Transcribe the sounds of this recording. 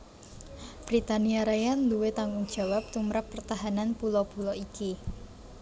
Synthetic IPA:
b̥ɾit̪aniaɾajanluwet̪aŋɡuŋd̥ʒ̥a̤wap̚t̪umɾapːərt̪aɦananpulɔpulɔiki

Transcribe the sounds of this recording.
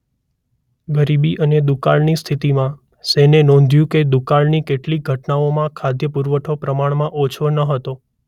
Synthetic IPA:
ɡəɾibiʔəned̪ukaɭnist̪ʰit̪imã | sɛnenɔ̃nd̪ʱjũked̪ukaɭnikeʈlik̚ɡʱəʈnaomãkʰad̪jəpuɾʋəʈʰopɾəmaɳmãʔot͡ʃʰonəɦət̪o

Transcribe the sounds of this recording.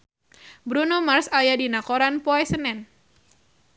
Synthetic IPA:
bɾunɔmarsajadinakoɾanpɔɛsənɛn

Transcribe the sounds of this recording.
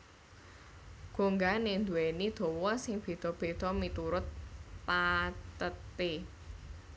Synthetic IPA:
ɡ̥o̤ŋɡanend̪uɛnid̪̥ɔ̤wɔsɪŋb̥e̤d̪̥ɔ̤b̥e̤t̪ɔmit̪uɾʊt̪̚pat̪ət̪e

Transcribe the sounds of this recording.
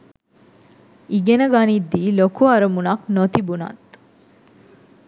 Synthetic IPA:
iɡenəɡanid̪ːiːlokuɐɾəmunɐknot̪ibunɐ̰t̪

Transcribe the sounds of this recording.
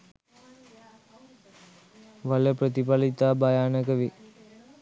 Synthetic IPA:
ʋaləpɾət̪ipalit̪aːbajaːnəkəʋi

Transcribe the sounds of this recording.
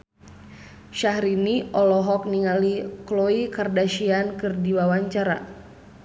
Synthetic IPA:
ʃaɦɾiniʔɔlɔɦɔk̚niŋaliklɔikardaʃiankɨrdiwawaɲt͡ʃaɾa̰

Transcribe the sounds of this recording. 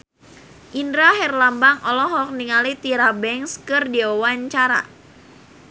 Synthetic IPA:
ʔindɾaɦɛrlambaŋɔlɔɦɔk̚niŋalit̪iɾabɛŋskɨrdiawaɲt͡ʃaɾa̰

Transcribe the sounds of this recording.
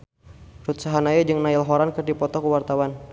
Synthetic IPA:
rut̪saɦanajad͡ʒɨŋnaɪlɦɔɾankərdipɔt̪ɔkəwart̪awan

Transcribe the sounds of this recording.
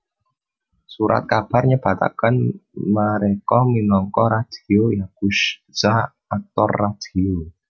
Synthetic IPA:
suɾa̰t̪̚kab̥a̤rɲəb̥a̤t̪a̰kənmaɾekɔminɔŋkɔɾad̪̥iojaɡ̥uʃz̥a | ak̚t̪ɔrːad̪̥io

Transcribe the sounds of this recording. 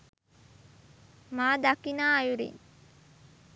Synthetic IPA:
maːd̪akinaːɐjuɾḭn

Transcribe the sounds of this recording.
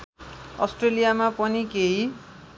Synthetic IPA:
ʌ̰sʈrelijamapʌnikeɦi

